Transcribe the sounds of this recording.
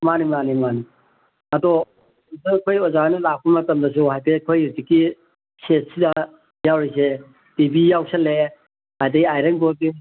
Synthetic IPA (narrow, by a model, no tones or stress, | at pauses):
manimanimani | ɐdɔ | sɐkʰojɔzanilak̚umɐtɐmdɐs̬uɦajpekʰojiɾtiki | set̚sida | jawɾis̬e | tibijawsɐlːe | hajdɐɡiajɾɐŋbobi